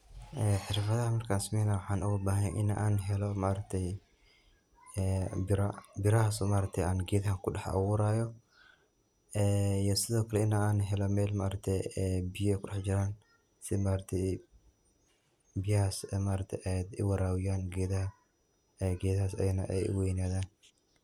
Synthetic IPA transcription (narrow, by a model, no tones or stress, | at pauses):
ʔɛːħɪɾfɐðɐhɐmɐɾkʰaːnsmɛːnawʊħaːnʊɣʊbaːhɛʔɪ̰na̰ʔaːnɦɛlɔmaːɾɐt̪ʰːɛj | bɪɾabɪɾɐhasɔmaːɾɐt̪ʰɛjaːnɡɛːd̪haŋkʊɗɐħa̰wʊɾaːjɔ | ɛijɔsɪðɔːkʰɐlɛɪnaaːnɦɛlɔmɛːlmaːɾɐt̪ʰɛjɛbɪjɔɛjkʰʊɗɛħd͡ʒɪɾaːn | sɪmaːɾɐt̪ʰɛj | bɪjɐhaːsmaːɾɐt̪ʰɛjʔɛjd̪ɪ̰wɐɾaːwɪjaːnɡɛːðɐhɐ | ɛɡɛːðɐhaːsɛ̰jnɐ̰ʔɛ̰jʔʊ̰wɛjnaːðaːn